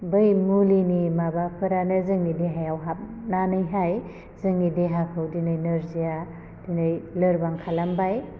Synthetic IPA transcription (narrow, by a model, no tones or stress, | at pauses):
bɯjmulinimabapʰɯɾanɯzɯŋnideɦajawɦap̚nanɯjɦaj | zɯŋnideɦakʰɯwdinɯjnɯɾzija | d̥inɯjlɯɾbaŋkʰalambaj